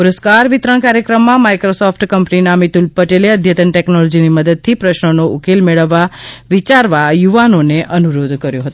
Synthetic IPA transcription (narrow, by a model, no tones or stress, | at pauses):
puɾəskaɾʋit̪ɾəɳkaɾjəkɾəmːãmajkɾosɔfʰʈkəmpninamit̪ulpəʈeleəd̪ʱjət̪əɳʈeknolod͡ʒiniməd̪əd̪̚t̪ʰipɾəʃnonoʔukelmeɭəʋːaʋit͡ʃaɾʋajuʋanoneʔənuɾod̪ʱkəɾjoɦət̪